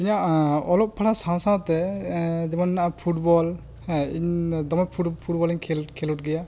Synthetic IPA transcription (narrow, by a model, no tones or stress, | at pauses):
iɲaʔɔlɔp̚pʰaɽasãw̃sawt̪ɛd͡ʒɛmanːaʔapʰuʈ̚bɔl | ɛiɲd̪ɔmɛpʰupʰuʈ̚bɔliɲkʰɛlkʰɛluʈ̚ɡɛja